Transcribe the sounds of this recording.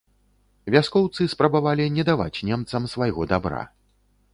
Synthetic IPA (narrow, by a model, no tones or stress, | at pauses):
vʲaskɔwt̪sɨspɾɐbavalʲinʲɛd̪ava̰t͡sʲnʲɛmt̪sɐmsvajɣɔd̪abɾa̰